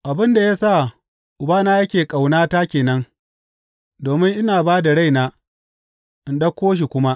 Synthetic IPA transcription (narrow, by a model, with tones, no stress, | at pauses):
ʔa˨bɪ˦nda˨ja˦sa˦˨ | ʔʊ˨baː˦naː˦jɐ˦kʲeː˨kʼa˨wnaː˦taː˦kʲeː˨nɐ˦ŋ | doː˨mɪ˦ŋʔɪ˦naː˨baː˦da˨ɽa˦jnaː˦ | ʔɪ˨nɗɐ˦kʷːoː˦ʃ̬i˨kʷʊ˦ma˦ʔ